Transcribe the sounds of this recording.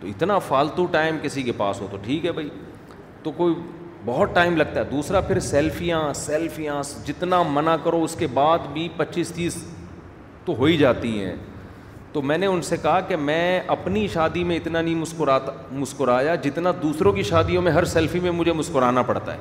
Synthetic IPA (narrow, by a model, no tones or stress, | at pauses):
t̪oɪt̪nafaːlt̪uʈaːɪmkɪsikepa̰ːsɦoːt̪oʈʰiːkɦɛbʱai | t̪okoːi | bɔɦɔt̪̚ʈaːɪmlɐɡ̚t̪aɦɛd̪uːsɾapʰɪɾsɛːlfijãsɛːlfijãːsd͡ʒɪt̪namɐnakɐɾoʊskebaːd̪bʱipɐtːʃiːst̪iːz | t̪oɦoːid͡ʒaːt̪iɦɛ̰̃ː | t̪oːmɛ̃ːneʊnsekɐɦakemɛ̃ːʔɐpniʃaːd̪imẽɪt̪nanɐĩmʊskʊɾaːt̪ | mʊskʊɾaːjad͡ʒɪt̪nad̪uːsɾõkiʃaːd̪ijõmẽɦɐɾsɛːlfimẽmʊd͡ʒʱemʊskʊɾaːnapɐɽt̪a̰ɦɛ̰ː